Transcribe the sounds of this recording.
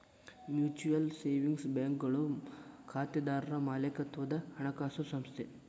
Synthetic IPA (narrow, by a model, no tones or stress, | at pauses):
mjuːt͡ʃujɐlseːʋiŋɡsbaːŋkɡɐɭukʰaːt̪jɐd̪aːɾɾɐmaːlɐkɐt̪ʋɐd̪ɐhɐɳɐkaːsɐsɐmst̪ʰe